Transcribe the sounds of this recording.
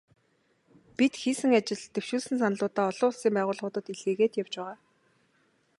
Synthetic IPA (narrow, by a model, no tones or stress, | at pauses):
pit̪xiːsɘ̆ŋat͡ɕɪ̆ɮt̪ew̥ʃuːɮsɘ̆nsanə̆ɮʊːt̪aːɔɮʊːʊɮsiːmpæːʁʊːɮʁʊːt̪ə̆t̪iɮeːɣeːt̪jaw̥t͡ɕpæːʁaː